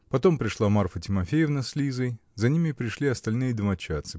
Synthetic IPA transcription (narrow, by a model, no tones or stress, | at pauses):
pɐt̪o̞mpɾʲɪʂlˠamarfətʲɪmɐfʲejɪfnɐslʲizəj | zɐnʲimʲɪpɾʲɪʂlʲiɐst̪ɐlʲnɨjəd̪əmɐt͡ɕːat̪sɨ